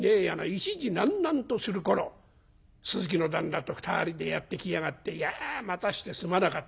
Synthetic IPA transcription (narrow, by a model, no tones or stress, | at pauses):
nejanait͡ɕiʑinãnːãnt̪osɨɾɯ̟ko̞ɾo̞ | sɨzɨk̬ʲino̞d̪ãnd̪at̪o̞ɸɯ̥t̪a̰ːɾʲid̪e̞jat̪ːe̞kʲiaɡat̪ːe̞jamat̪aɕi̥t̪e̞sɨmanakat̪ː